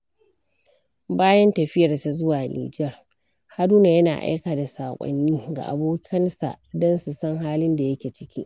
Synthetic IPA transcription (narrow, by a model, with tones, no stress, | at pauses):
baː˦jɐ˦ntɐ˨ɸɪ˦jɐ˨rsa˨zʊ˦waː˨nʔḭː˨d͡ʒɛ˦˨r | ha˦duː˦na˨jɐ˦naː˨ʔa̰˦jkaː˨da˨saː˨kʷʼɔ̰˨nːiː˦ɡa̰˨ʔa̰˨boː˦kʰɐ˦nsa̰˨ʔdɔ˦nsu˨sɐ˦ŋɦaː˦lɪ˦nda˨jɐ˦kʲeː˨t͡ʃɪ˦kʲḭː˦ʔ